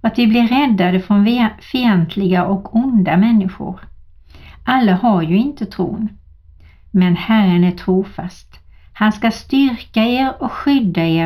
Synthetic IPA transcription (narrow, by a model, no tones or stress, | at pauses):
at̪vɪblɪɾːɛd̪ːad̪əfɾɔnvfɪɛnt̪ʰlɪɡaʔɔkʰʊnd̪amɛnːɪɧʊ̰ɾ | ʔalːahaɾjɵɪnt̪ət̪ʰɾṵːn | mɛnhærənæʈʰɾuːfa̰st̪ | hanskast̪ʏɾkaeːɾɔkɧʏd̪ːaeː